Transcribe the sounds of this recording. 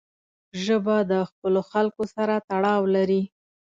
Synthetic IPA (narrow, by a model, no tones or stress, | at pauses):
ʒəbad̪əxpəloxalkosaɾat̪aɽɑwlaɾi